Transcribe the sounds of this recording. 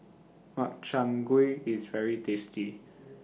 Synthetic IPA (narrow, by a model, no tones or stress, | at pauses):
mak̚t͡ʃãŋɡwuiizvɛɹitʰesti